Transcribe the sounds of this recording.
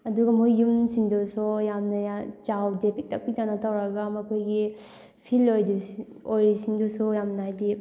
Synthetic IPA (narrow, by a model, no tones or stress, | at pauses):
ɐduɡɐmujːumsiŋdɔsɔjamnɐjat͡ʃawdepʰik̚tɐk̚pitanɐtawɾɐɡamɐkʰojɡi | pʰilojdi | ojɾisiŋdɔsujamnajdi